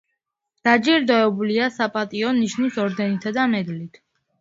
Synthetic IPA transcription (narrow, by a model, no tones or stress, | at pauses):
d̪̥ad͡ʒiɾd̪ɔɛbuliasapʼat̪ʼiɔniʃnisɔɾd̪ɛnit̪ʰad̪amɛd̪lit̪ʰ